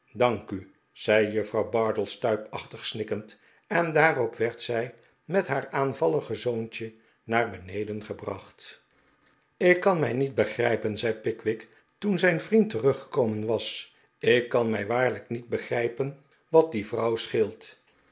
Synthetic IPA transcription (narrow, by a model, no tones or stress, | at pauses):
dɑŋky | z̥ɛjjɵfrɑwbɑɹdəlˠstœɥpɑχtəχsnɪkənt | ɛndaːrɔpʋɛɹtsɛj | mɛtɦaːɹaːnvɑlˠəχəzownt͡ʃə | naːɹbənejdənχəbrɑ̰χt | ɪkːɑnmɛjnit̚bəχrɛjpənzɛjpɪkʋɪk | tunzɛjnvrintərɵχə̥kowmənʋɑs | ɪkːɑnmɛjʋaːɹləknid̚bəχrɛjpən | ʋɑt̚divrɑwsχɪlˠt